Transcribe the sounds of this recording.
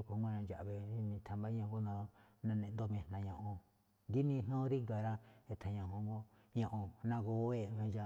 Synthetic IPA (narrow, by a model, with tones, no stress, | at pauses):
o˦ko˧˦ŋɡo˦nã˧nd͡ʒa̰˨ʔβe˧˦mĩ˧˨t̪ʰa˨mba˦ɲã˧ɡo˦nã˧nã˧nẽ˧˨nd̪o˧mẽ˧˨n̥ã˨˧ɲã˧ʔõ˧ | ɡi˦nĩ˧n˦õ˦ɾi˦ɡa˨ɾa˦e˧t̪ʰã˨˧ɲã˨hõ˧ŋɡo˦ɲã˧ʔõ˧nã˧ɡo˧˦e˧mẽ˧d͡ʒa˧